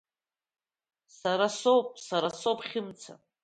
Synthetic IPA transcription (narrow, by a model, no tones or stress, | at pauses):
saɾasopʼsaɾasowpʰʼχʲɪmt͡sʰa̰